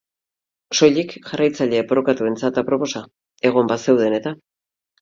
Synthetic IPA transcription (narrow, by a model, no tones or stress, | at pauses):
so̞ʎikʝarajt͡saʎe̞boɾokat̪ue̞nt͡sat̪apɾo̞po̞sa | e̞ɣ̞o̞mbase̞wðe̞ne̞t̪a